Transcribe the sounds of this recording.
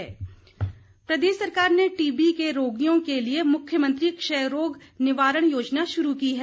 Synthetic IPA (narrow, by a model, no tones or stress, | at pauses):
ɛː | pɾɐd̪eːʃsɐɾkaːɾneʈiːbikeɾoːɡijõkeliemʊkʰjəmə̃nt̪ɾikʃɛɾoːɡnɪʋaːɾəɽ̃joːd͡ʒnaʃʊɾukiɦɛː